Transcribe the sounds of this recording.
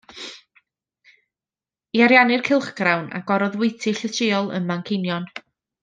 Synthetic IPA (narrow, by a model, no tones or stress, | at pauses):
iaɾjanɨrkʰɪlˠχɡ̥rawnʔa̰ɡ̥ɔɾɔðwejtʰɨɬətʰɪːɔlˠə̰nmankʰenjɔn